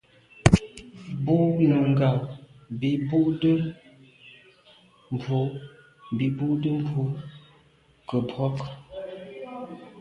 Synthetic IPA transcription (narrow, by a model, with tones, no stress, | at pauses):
bu˦ʔnə˨ŋ˨ɡa˨w | bi˨bu˦ʔdə˦ | m̩˨bo˨˦˨ | bi˨bu˦ʔdə˦m˦bwo˨˦ | kə˨bɔ˦k